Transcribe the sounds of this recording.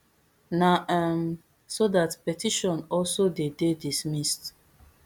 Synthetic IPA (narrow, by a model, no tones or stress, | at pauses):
naʔam | sodatpɛtʰiʃɔ̃nɔlsodededismist